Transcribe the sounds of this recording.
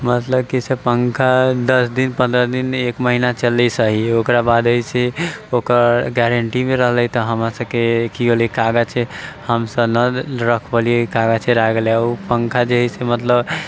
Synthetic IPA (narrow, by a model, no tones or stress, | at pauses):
mət̪ləb̚kisepəŋkʰad̪əsd̪inpə̃nd̪ɾəd̪inekməɦinat͡ʃəlːɛsəɦiokɾabad̪əjseokəɾɡɛɾəɳʈimeɾəɦlɛjt̪ɔɦəmɾasəbkekiolekaɡat͡ʃʰɛhəmsəbnəɾəkʰbəlijekaɡat͡ʃʰɛɾaɡleaupəŋkʰad͡ʒeɦisemət̪ləb